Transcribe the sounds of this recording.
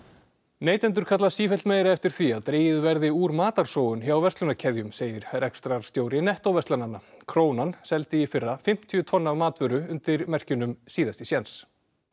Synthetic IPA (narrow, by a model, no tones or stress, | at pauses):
neːjt̪ɛnt̪̬ʏɾ̥kʰat̪lasiːfɛlt̪meːjɾaɛft̪ɪɾ̥θviaðt̪ɾeːjɪðvɛɾðɪuːɾmaːt̪aɾ̥soːwʏnçjawvɛst̪lʏnacʰɛðjʏmseːjɪɾrɛkst̪ɾaɾ̥st̪jowɾɪnɛht̪owvɛst̪lananakʰɾoːwnansɛlt̪ɪifɪrːafɪm̥t̪ʰːyʏt̪ʰvɔnːavmaːt̪vʏɾʏʏnt̪ɪɾmɛr̥cʏnʏmsiːðast̪ɪsjɛns